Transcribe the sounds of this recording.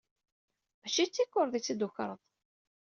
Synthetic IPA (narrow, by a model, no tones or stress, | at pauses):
mæʃit͡sːikːʊɾˤðˤit͡sːid̪ʊçɾˤəðˤ